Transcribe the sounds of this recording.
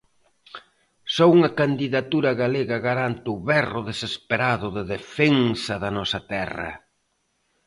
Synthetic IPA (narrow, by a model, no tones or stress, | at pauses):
sɔuŋɐkand̪iðat̪uɾɐɣaleɣɐɣaɾant̪ɪʊβɛrʊðesespeɾaðʊðɪðefeŋsɐðɐnɔsɐt̪ɛrɐ̰